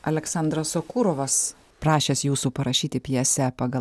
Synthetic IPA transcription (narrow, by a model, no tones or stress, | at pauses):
ɐlʲɛksɐˑnd̪ɾɐsokuːɾoːʋɐs | pɾɑːʃʲeːsjuːsuːpɐɾɐʃʲiːt̪ʲɪpʲjɛsʲɛpɐɡɐ